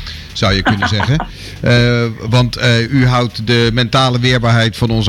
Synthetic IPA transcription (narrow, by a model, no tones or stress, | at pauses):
z̥ʌwjəkɵnənzɛɣən | ʋɑntyɦʌwtdəmɛntaːləʋɪːɹbaːɹɦɛjtfɑnɔnz